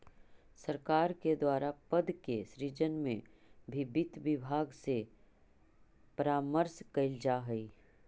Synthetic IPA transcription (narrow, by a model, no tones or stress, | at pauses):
sɐɾkaːɾked̪waːɾapəd̪keʃɾiːd͡ʒənmḛ̃bʱɪbɪt̪ʋɪbʱaːɡse | pəɾaːməɾskɐɪld͡ʒaɦɛi